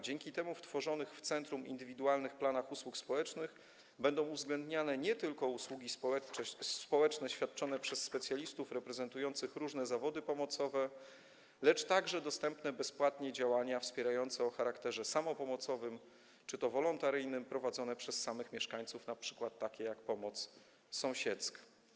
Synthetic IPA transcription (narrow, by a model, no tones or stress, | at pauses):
d͡ʑɛŋkʲit̪ɛmuft̪fɔʐɔnɘxft̪sɛnt̪ɾumḭnd̪ɘvʲid̪ualnɘxplanaxuswukspɔwɛt͡ʂnɘx | bɛnd̪ɔ̃w̃uvzɡlɛnd̪ɲanɛɲɛt̪ɘlkɔuswuɡʲispɔɛspɔwɛt͡ʂnɛɕfʲjat̪̚t͡ʂɔn̪ɛpʂɛsːpɛt̪sʲjalʲist̪ufɾɛpɾɛzɛnt̪ujɔnt̪sɘxɾuʐnɛzavɔd̪ɘpɔmɔt̪sɔvɛ | lɛt͡ʂt̪aɡʐɛd̪ɔst̪ɛmpnɛbɛspwat̪ɲɛd͡ʑawaɲafspʲjɛɾajɔnt̪sɛɔxaɾakt̪ɛʐɛsamɔpɔmɔt̪sɔvɘm | t͡ʂɘt̪ɔvɔlɔnt̪aɾɘjnɘmpɾɔvad̪zɔnɛpʂɛsːamɘxmʲjɛʂkaɲt̪sufnapʂɘ̥kwat̪ːakʲɛjakpɔmɔt̪s | sɔ̃w̃ɕɛt̪ska